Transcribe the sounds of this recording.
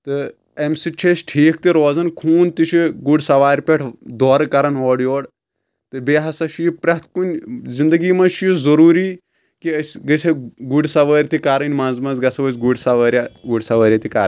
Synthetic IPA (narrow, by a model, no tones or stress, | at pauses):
t̪ɨ | emsit͡ʃʰesʈʰiːkʰt̪iɾoːzɐnkʰuːnt̪it͡ʃʰiɡuɖsɐʋaːɾʲpʲeʈʰd̪oːɾɨkɐɾɐnoːɽjoːɽ | t̪ɨbeːɦɐsɐʃijipɾɐt̪̚ʰkunʲzind̪ɐɡiːmɐʃjizɐɾuːɾiː | kiɐsʲɡɐsʰʲɐɡuɖsɐʋɐːɾʲt̪ikaːɾɐnʲmɐnzmɐzɡɐsɐʋɐsʲɡuɽsɐʋɐːɾʲɐɡuɖsɐʋɐːɾʲɐt̪ikaɾ